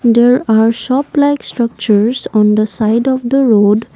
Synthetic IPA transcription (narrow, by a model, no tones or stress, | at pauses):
d̪eːɾaːɾʃɔːplaɪksʈɾʌk̚t͡ʃəɾsɔ̃ːnd̪əsaɪɖɔʋd̪əɾoːɖ